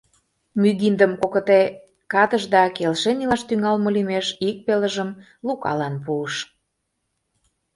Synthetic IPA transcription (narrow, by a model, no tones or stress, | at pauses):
myd̪ind̪əmkokə̆t̪e | kɑt̪əʒd̪ɑkelʃenilɑʃt̪yŋɑlmə̆limeʃik̚peləʒəm | lukɑ̰lɑnpuəʃ